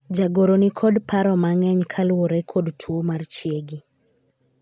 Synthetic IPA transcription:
d͡ʒaɡoɾonikʰɔdpaɾɔmaŋɛɲkʰalwoɾɛkʰɔdtʰwomart͡ʃjeɡi

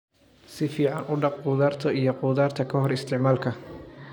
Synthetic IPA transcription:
sɪfiːʕɑnʔʊɖɑq̚quːðaːrt̪ʰɔijɔqʊːðaːrt̪ʰɐkʰɐɦɔɾɪst̪ʰɪʕmaːlkʰɐ

